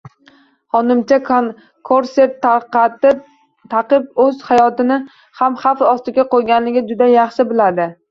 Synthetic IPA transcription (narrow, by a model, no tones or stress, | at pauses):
hɒnɪmt͡ʃʰak̪ | kʰoɾseɾt̪ɪ | t̪ʰaqɨpɵzhajɒt̪ɪnɪ | hamχafɒst̪ɪɡʲaqʰojɡʲanlɪɡʲɪd͡ʒʊd̪ajɑχʃɪbɪlad̪ɪ